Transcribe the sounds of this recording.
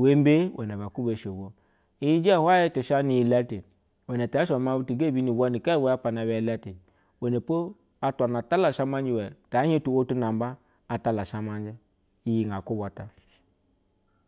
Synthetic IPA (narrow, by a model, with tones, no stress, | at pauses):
we˦m˦be˦wʔɛ˨nɛ˨βa˨ku˦be˨ʃo˨bo˦ | i˦ji˦d͡ʒi˦a˦˨hwa˦jɛ˦t͡ʃi˨ʃa˦ni˨ji˨lɛ˦ti˨ | wɛ˨nɛ˨ta˨˦ʃa˨ma˦bu˦ti˨ɡe˦˨bi˦ni˨wɔ˦ni˨ka˦wɛ˨˦a˦pa˨na˨bɛ˨i˨lɛ˦ti˨ | we˨ne˨po˦ | a˦ta˨na˨ta˦la˨ʃa˦ma˦d͡ʒi˨wɛ˨ta˨˦hi˦tu˨wo˦tu˦na˨m˦baː˦˨ | ta˦la˨ʃa˦ma˦n˦d͡ʒɛ˦ | i˦ji˨ŋa˨ku˦bɔ˨ta˦